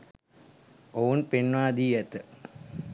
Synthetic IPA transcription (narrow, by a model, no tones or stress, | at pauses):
ounpenʋaːd̪iːɛt̪ə